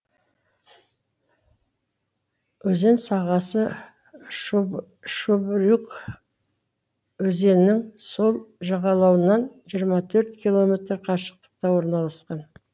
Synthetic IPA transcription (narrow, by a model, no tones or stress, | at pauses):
wɵze̞nsɑʁɑsə | ʃubɾuk | wɵze̞nnɪŋso̞lˠʒɑʁɑlˠɑwənɑnʒijəɾmɑt̪ʰɵɾt̪̚kʲilˠo̞mʲe̞t̪rɾqʰɑʃə̥q̚t̪ə̥q̚t̪ɑwo̞ɾnɑlˠɑsqɑn